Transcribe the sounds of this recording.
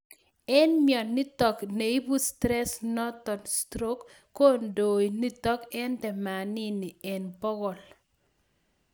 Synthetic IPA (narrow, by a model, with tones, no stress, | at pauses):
ɛ˦nmjɔ˨nːi˦t̪ɔ˨kne˨i˦bu˦stɾɛ˦snɔ˦t̪ɔ˨nstɾo˦kː | o˦ndo˨i˨ni˦tɔ˦kɛ˦ndɛ˨ma˨nɪ˦nɪ˨ɛ˨nbɔ˦ɡɔ˨l